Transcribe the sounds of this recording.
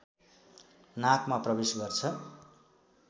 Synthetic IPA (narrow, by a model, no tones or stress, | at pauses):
nakmaprʌbesɡʌrt͡sʰʌ